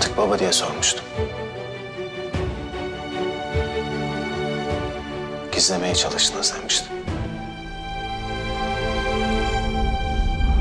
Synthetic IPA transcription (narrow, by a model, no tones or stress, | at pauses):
t̪ʰɯ̥k̚babad̪ijɛso̞ɾmuʃt̪ʰu̥ | ɟ̥izlʲe̞me̞jɛt͡ʃʰalˠɯʃt̪ʰɯnɯzd̪emiʃt̪ʰi̥